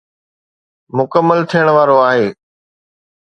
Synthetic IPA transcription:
mʊkəmːəlt̪ʰijəɽ̃ʋaːɾoaːɦeː

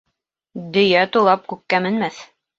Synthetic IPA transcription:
d̪ɵ̆jæt̪ulˠɑp̚kʉkːæmɘ̆nmæθ

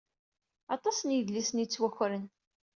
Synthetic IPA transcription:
ɑt̪ˤɑsənjəðlːisənjit͡sːwæçɾən

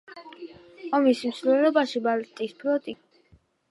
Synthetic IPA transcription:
ɔmismsvlɛlɔbaʃibalt̪ʼisbʰɾɔt̪ʼi

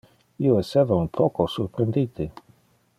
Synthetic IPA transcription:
iːoesevaunpʰɔkosuɾpɾend̪it̪i

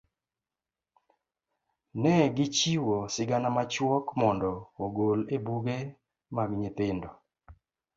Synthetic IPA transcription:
nɛɡɪt͡ʃiwosɪɡanamat͡ʃwɔkmɔndɔːɡolebuɡe | maɡɲɪt̪ɪndɔ

